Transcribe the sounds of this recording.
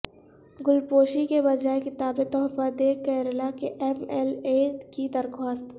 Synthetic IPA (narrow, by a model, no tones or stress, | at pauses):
ɡʊlpoːʃikebɐd͡ʒaːekɪt̪aːbet̪ɔːɦfaːd̪ekɛːɾlakeʔɛmɛlekid̪ɐɾxʰaːst̪